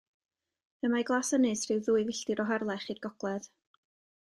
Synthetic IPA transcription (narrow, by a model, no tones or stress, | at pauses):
əmaɡlˠasənɨsr̥ɨwðuːɨvɪɬtɨɾɔɦɛrlˠɛχiːdɡ̥ɔɡ̥lˠɛð